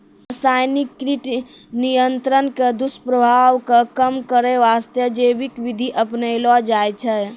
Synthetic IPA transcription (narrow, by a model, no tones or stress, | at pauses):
əsaːjnikːɾiʈ | nijənt̪ɾənked̪uspɾəbʱaːʋkakəmkəɾeʋaːst̪jəd͡ʒebikʋid̪ʱiʔəpnəjlad͡ʒaːjt͡ʃʰɛ